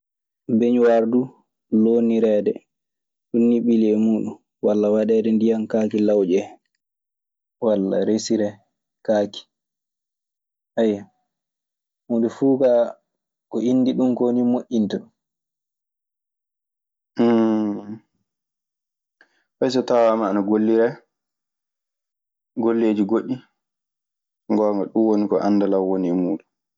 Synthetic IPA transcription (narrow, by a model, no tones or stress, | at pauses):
beɲwaɾdu | loniɾɛːdɛ | ɗunːiɓilɛmuːɗun | walːawaɗɛːdɛndijankakilawd͡ʒɛ | walːa̰ɾesiɾɛ | kaːki̥ | ʔaja | muːdufuːka | kɔinːdiɗumkoːnimoʔʲːintaɗum | fɛjs̬ɔtawamaːnaɡolːiɾɛ | ɡolːeːd͡ʒiɡoɗːi | ŋɡɔːŋɡaɗunwonikɔʔanːdalawwoniɛmuːɗu